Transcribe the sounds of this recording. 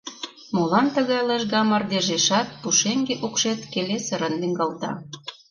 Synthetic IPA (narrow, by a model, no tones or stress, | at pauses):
molɑnt̪ə̆ɣɑjleʒɣɑmɑrd̪eʒeʃɑt̪̚puʃeŋɡeʔukʃet̪kelesəɾənlyŋɡɑlt̪ɑ̰